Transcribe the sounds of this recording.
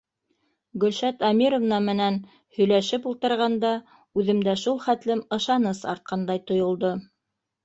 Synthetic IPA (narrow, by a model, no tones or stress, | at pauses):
ɡɵ̆lʃæt̪ɑmʲiɾŏvnɑmɘ̆næn | hɵ̆jlæʃɘpulˠt̪ɤ̆ɾʁɑnd̪ɑ | ʉðɘ̆md̪æʃulˠχæt̪lɘmɤ̆ʃɑnɤsɑ̰ɾt̪̚qɑnd̪ɑjt̪ŏjŏlˠd̪o